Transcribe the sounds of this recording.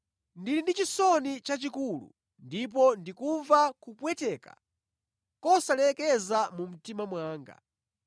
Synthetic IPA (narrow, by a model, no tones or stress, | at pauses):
ndilindit͡ʃisɔnit͡ʃat͡ʃikulṵ | ndip̬ɔndikuɱvakupwɛtɛːka̰ | kɔsalɛkɛzamum̩timamwaːŋɡa̰